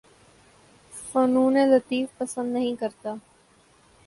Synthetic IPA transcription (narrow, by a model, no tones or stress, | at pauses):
foːnuːnẽːlət̪iːfpəsə̃nd̪nəɦĩkəɾt̪aː